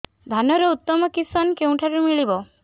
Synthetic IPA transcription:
d̪ʱanɔɾɔut̪ːɔmɔkisɔnkeũʈʰaɾumiɭibɔ

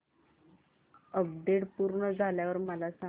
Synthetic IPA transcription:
əb̚ɖeɽpuɾɳəd͡zʱaljaʋəɾməlasa

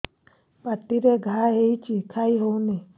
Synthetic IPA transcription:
patiɾeɡaaɦeit͡ʃikʰaiɦone

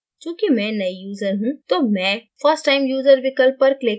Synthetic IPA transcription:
t͡ʃjũːkimɛ̃ːnɐijuːzəɾɦũt̪oːmɛ̃ːfəɾsʈːaːɪmjuːzəɾʋɪkəlpːɐɾklɪ

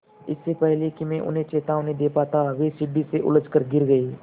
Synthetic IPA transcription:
ɪsːepɛɦlekimẽʔʊ̰nẽt͡ʃeːt̪aʋʊ̃nẽd̪eːpaːt̪aʋeːsɪɖːiseʔʊ̰ləd͡ʒkəɾɡɪɾɡəeː

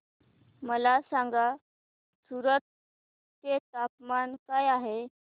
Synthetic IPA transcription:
məlasaŋɡa | suɾət̪̚ː | et̪ap̚mankajaɦe

